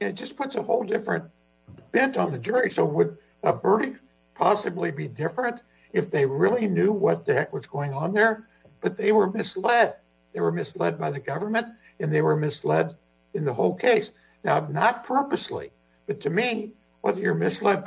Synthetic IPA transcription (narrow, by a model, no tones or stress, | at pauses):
nɨt̚d̥ʒ̥ʌspʰʊtsəhoʊlˠdɪfɹɨ̰̃n | b̥ɛ̃ntn̩ðɨd͡ʒʊɹisoʊwəd̚ | əvɜ˞ɾɨk̚ | pʰɑsɨblibidɪfɹɨ̃nt | ɨfðeɪɹɪlˠinjʉwʌt̪̚ðɨhɛkwʌz̥ɡ̥oʊɪ̃ŋə̃nðə˞ | b̥ʌt̪̚ðeɪwə˞mɪslɛd̚ | ðeɪwə˞mɨslɛd̚baɪðɨɡʌvə˞mɨ̃nt | ɨ̃nðeɪwə˞mɪslɛɾ | ɨ̃nðəhoʊlˠkʰeɪs | naʊnət̚pʰɜ˞pɨslḭ | b̥ʌtʰɨmi | wʌðəjə˞mɪslɛd̚